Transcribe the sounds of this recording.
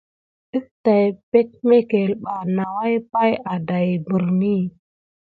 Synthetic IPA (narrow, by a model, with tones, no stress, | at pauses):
i˦fta˨jpe˦t̚me˦ke˨lɓa˨na˨wa˦jpa˦ja˨da˨jbu˨ɾni˦